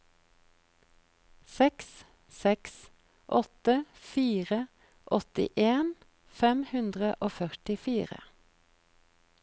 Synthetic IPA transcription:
sɛks | sɛks | ʔɔt̪əfiːʁə | ʔɔt̪ɪ̰ʔeːn | fɛmhʉnd̪ʁəʔoːfœʁʈɪfiːʁə̰

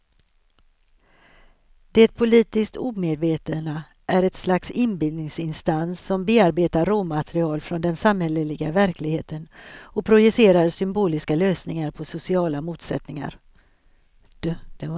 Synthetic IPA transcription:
d̪̥ɛt̪̚pʰʊliːt̪ɪsk̚t̪uːmeːd̪veːt̪ənə | ʔæɾɛt̪slaksɪnbɪld̪nɪŋsɪnst̪ansːɔmbeːaɾbeːt̪aɾːuːmat̪ɾɪɑːlfɾɔnd̪ɛnsamhɛləlɪɡavæɾklɪɡheːt̪ənɔpʰɾʊjɵseːɾaɾsʏmbuːlɪskaløːsnɪŋaɾpʰɔsʊsɪɑːlamuːt̪sɛt̪nɪŋa̰ɾ | d̪̥d̪̥ɛ

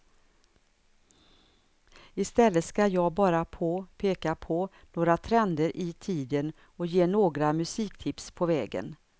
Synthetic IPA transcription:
ɪst̪ɛlːət̪skajɑːɡbɑːɾapʰɔpʰeːkapʰɔnoːɡɾat̪ʰɾɛnd̪əɾʔɪt̪ʰiːd̪ən | ɔjeːnoːɡɾamɵsiːkt̪ʰɪpspʰɔvɛːɡə̰n

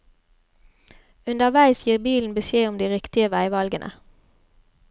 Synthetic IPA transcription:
ʉnd̪əʁʋæɪsjiːʁbiːln̩bəʃjeːʊmd̪iːʁɪkt̪ɪəʋæɪʋɑlɡənʔə̰

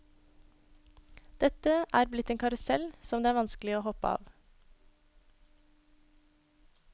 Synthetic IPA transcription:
d̪̥ɛt̪əʔæːɾblɪt̪eːŋkʰɑɾʉsɛlsɔmd̪eːæːɾʋɑnsklɪoːhɔpəɑ̰ːʋ

